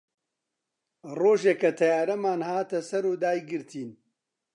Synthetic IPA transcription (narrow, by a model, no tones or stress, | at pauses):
roːʒekɐt̪ʰɐjaːɾɐmaːnhaːt̪ɐsɐɾuːd̪aːjɡɨɾt̪ʰiːn